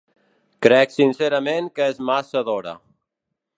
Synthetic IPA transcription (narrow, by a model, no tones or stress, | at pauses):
kɾɛksinseɾəmeŋkəezmasəðoɾə̰